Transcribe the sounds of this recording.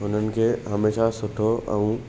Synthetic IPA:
ʊn̤ənɪ̆kʰeːɦɐmeːʃasʊʈʰoʔɛ̃ũ

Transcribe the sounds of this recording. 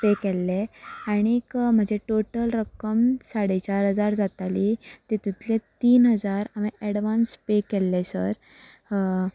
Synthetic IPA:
pekelːeaɽ̃ikm̤əd͡ʑeʈoʈəlɾəkəmsaɽet͡ɕaɾɦəd͡zaɾd͡zat̪alit̪et̪ut̪let̪iːnɦəd͡zaɾamiʔɛɽʋanspekelːesə̰ɾ

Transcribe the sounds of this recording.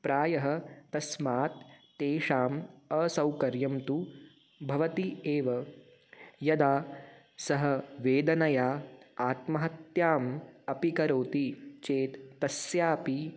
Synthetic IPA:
pɾaːjɐɦɐ̆t̪ɐsmaːt̪ː | eːʃaːmɐsɐwkɐɾjɐmt̪u | bʱɐʋɐt̪ieːʋɐ | jɐd̪aː | sɐɦɐ̆ʋeːd̪ɐnɐjaːaːt̪mɐɦɐt̪jaːmɐpikɐɾoːt̪it͡ʃeːt̪ːɐsjaːpi

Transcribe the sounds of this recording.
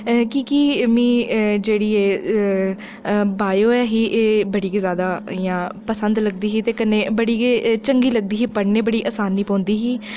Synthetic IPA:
kikimĩːd͡ʒeːɽiːeː | baːjoːɛːɦiːʔeːbəɽiːkːzjaːd̪aːjãːpəsə̃nd̪ləɡ̚d̪iːɦiːt̪eːkəneːbəɽiːt͡ʃəŋɡiːləɡ̚d̪iːɦiːpəɽneːbəɽiːʔaːsaːniːpɔ̃ːnd̪iːɦiː

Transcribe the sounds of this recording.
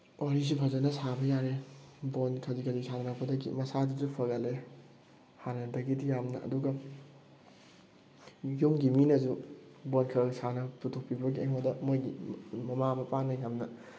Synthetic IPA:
oɾis̬ipʰɐzɐnɐsabɐjaɾebonkʰɐzikʰɐzisanɐnɐk̚pɐdɐɡḭmɐsaduzupʰɐɡɐle | hanɐdɐɡidijamnɐɐ̰duɡɐ | jumɡiminɐzubonkʰɐɾksanɐputʰuk̚pibɐɡiḛmodɐmojɡimɐmamɐpanɐjɦamnɐ

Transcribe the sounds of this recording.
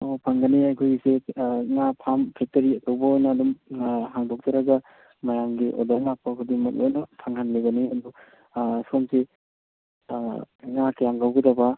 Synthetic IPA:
opʰaŋɡɐniajkʰojɡiseŋapʰampʰetɐɾiɐtowbɐojnɐːdumɦaŋdok̚d͡ʒaɾaɡɐ | mɐjamɡiʔo̰daŋak̚pɐkʰudiŋmɐk̚ojnɐpʰaŋhanleɡɐniɐdu | somse | ŋakajaŋɡawɡidaba

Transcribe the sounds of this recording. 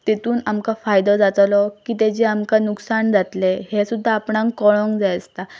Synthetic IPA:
t̪it̪uːnamkafajd̪ɔd͡zat̪lɔkiːt̪ed͡ʑeamkanuksaɳd͡zat̪lehesud̪ʱːaːpɳãŋkkɔɭɔ̃ŋɡd͡zajəst̪a

